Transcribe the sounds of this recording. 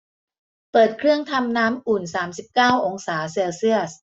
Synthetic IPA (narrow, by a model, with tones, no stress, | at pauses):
pɤː˨˩t̪̚kʰɾɯ˥˩əŋt̪ʰa˧mnaː˦˥mʔu˨˩nsaː˩˦msi˨˩p̚kaː˥˩wʔo˧ŋsaː˩˦seː˧wsi˥˩əs